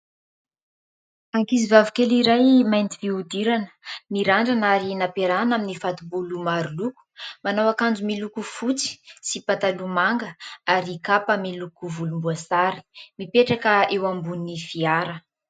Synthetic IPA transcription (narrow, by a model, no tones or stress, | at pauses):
aŋkizivavikʲeliɾajmajnt̪iviud̪iɾanə̥miɾaɳɖ͡ʐanaɾinapeɾanaminifat̪ubulumaɾuluku̥manawakand͡zumilukufut͡si̥sipat̪alumaŋɡəaɾikapəmilukuvulumbuasaɾi̥mipeʈ͡ʂakəewambunifiaɾə